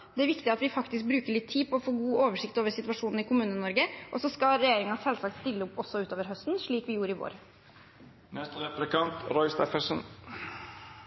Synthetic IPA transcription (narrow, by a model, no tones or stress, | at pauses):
d̪ɛæɾʋɪkt̪ɪɑt̪ʋɪfɑkt̪ɪsk̚bɾʉːkəɭɪt̪ʰːiːpɔɔfoːɡuːʔoːʋəʂɪkt̪oːʋəɾsɪt̪ʉʋɑʂuːnn̩ɪkʰʊmʉːnənɔɾɡəʔɔsɔskɑɾɛjeːɾɪŋənsɛlsɑk̚t̪st̪ɪlːəɔpːɔsːɔʉːt̪oːʋəɾɦœst̪n̩ʂɭiːkʋɪjuːɾəɪʋo̰ːɾ | nɛst̪əɾɛplɪkʰɑnt̪ɾɔʏst̪ɛfəsən